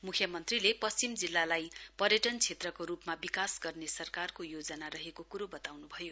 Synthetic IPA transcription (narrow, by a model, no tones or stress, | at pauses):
mukʰjʌmʌnt̪rilepʌst͡simd͡zilːalajpʌrjʌʈʌnt͡sʰet̪rʌkoɾupmabikasɡʌrnesʌrkarkojod͡zʌnaɾʌɦekokuɾobʌt̪awnubʱʌjo